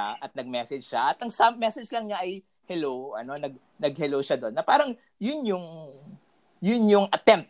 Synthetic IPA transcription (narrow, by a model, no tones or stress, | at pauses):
aʔɐt̪̚nɐɡ̚mɛsɛd͡ʒʃaʔɐt̪ɐŋsammːɛsɛd͡ʒlɐŋɲaʔɐj | hɛlowʔɐ̰no̞nɐɡ̚ | nɐɡ̚hɛlowʃad̪o̞nːɐpaːɾɐŋ | jʊnjʊŋ | jʊnjʊŋʔɐt̪ɛmp̚t̪